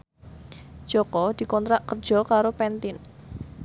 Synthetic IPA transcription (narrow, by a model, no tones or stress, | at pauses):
d̥d͡ʒʒ̥ɔkɔd̪̥i̤kɔnt̪ɾaʔkər̥ʒ̥ɔ̤kaɾopɛnt̪ɪn